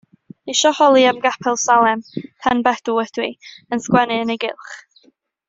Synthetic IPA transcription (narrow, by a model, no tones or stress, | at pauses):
iʃɔhɔlˠiamɡapʰɛlˠsalˠɛmpʰanbɛd̥uɛd̥wiənskwɛnɨəneɡɪlˠχ